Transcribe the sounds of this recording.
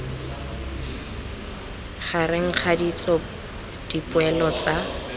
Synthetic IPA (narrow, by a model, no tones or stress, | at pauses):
χaɾɪŋ̩k͡xʰadit͡sʼɔ | d̥ipʼʊɛlɔt͡sa